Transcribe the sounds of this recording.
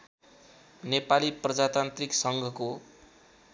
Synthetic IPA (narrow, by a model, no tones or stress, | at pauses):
nepaliprʌd͡zat̪ant̪riksʌŋɡʱʌko